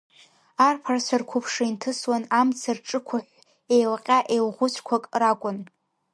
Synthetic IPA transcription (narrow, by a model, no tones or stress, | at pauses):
arpʰarsʷarkʷʰʊpʰʂɨintʰɨswanamt͡sʰarʈ͡ʂʼɨkʷʰaħʷ | ejlqʲʼaʔejlʁʷʊt͡ɕʷʰkʷʰakʼrakʷʼʊn